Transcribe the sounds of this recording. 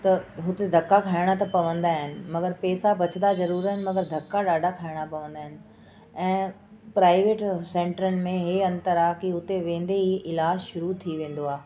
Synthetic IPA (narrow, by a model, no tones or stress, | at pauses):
t̪ɐɦʊt̪ed̪ʱɐkːakʰaːɪɽ̃at̪ɐpɐʋə̃nd̪aːɦɪnɪ̆mɐɡəɾpɛːsabɐt͡ɕənd̪azɐɾuːɾaːɦɪnɪ̆mɐɡəɾd̪ʱɐkːaɗaːɖʱakʰaːɪɽ̃apɐʋə̃nd̪aːɦɪnɪ̆ | ɛ̃ː | pɾaːɪʋeːʈsẽːɳʈəɾənɪ̆mẽɦeɐ̃nt̪əɾakiʊt̪eʋẽːn̆d̪eɦiɪlaːd͡ʑʃʊɾut̪ʰiʋẽːn̆d̪oaː